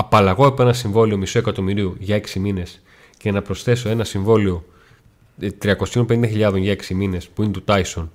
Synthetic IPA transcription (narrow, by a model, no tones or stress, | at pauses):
ɐpɐlɐɣo̞epoe̞nɐsiɱvo̞lio̞miso̞e̞kɐt̪o̞miɾiuʝɐe̞ksimine̞s | ce̞nɐpɾo̞sθe̞so̞e̞nɐsiɱvo̞lio | t̪ɾiɐko̞siompenind̪ɐçiʎɐðo̞nʝɐe̞ksimine̞spuinet̪ut̪ɐjson